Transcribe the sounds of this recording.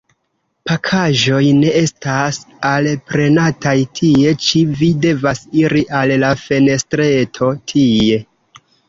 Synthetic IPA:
pakʰaʒo̞jne̞e̞stas | alpɾe̞natajtʰie̞t͡ʃivide̞vasiɾiʔallafe̞ne̞stɾe̞tʰo̞tʰie̞

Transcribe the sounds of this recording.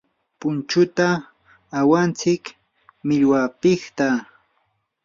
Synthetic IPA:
pʊnt͡ʃʊt̪aː | want͡sɪk | mɪʎwapɪht̪a

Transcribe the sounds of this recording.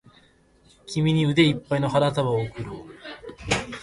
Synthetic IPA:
kʲimʲiɲ̟iɯ̟d̪e̞ipːaino̞haɾat̪aβaokɯ̟ɾo

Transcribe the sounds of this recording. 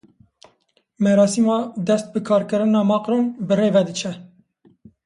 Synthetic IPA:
mɛɾɑːsimɑd̪ɛst̪̚bɨkʰɑːɾkɨɾɨnɑːmɑːqɾonbɨɾeːvɛd̪ɨt͡ʃʰɛ

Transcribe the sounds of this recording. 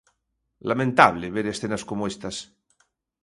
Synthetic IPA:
lamẽnt̪aβleβeɾesθenaskomoest̪as

